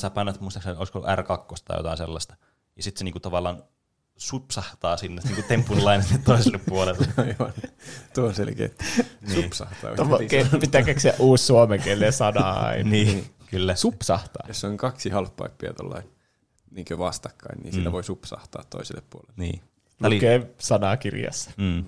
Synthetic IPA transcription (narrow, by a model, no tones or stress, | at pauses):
sæpænːæt̪muist̪ɑksnoiskolːṵʔærkɑkːost̪ɑ̰jo̰t̪ɑ̰ˑinselːɑst̪ɑ̥ | jɑsit̪seniːŋkut̪ɑʋɑlːˑɑːn | supsɑht̪ɑːsinːeniːŋkut̪empːunilɑinet̪et̪toiselːepppuolelːeɑiʋɑnt̪uoonselkḛːt̪ːniuːpsɑ̰ht̪ɑ̰ːo̰okepit̪ːæːkekksiæʔʔuːsːuomeŋkelːesɑnɑ̰ɑ̰inniːkylːæsupsɑht̪ɑ̰ːjosːoŋkɑksihɑlfpːɑ̰ipːiɑ̰t̪o̰lːɑ̰in | niːŋkøʋɑst̪ɑ̥kːɑinnḭːnsilːæʋoisupsɑ̰ht̪ɑ̰ːt̪t̪o̰iselːeppuolelːnḭː | lɑlikeːsɑnɑkirjɑ̰sːɑ̥ː